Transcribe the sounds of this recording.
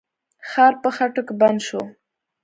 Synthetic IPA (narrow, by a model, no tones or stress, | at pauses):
xɑɾpəxaʈokeband̪ʃo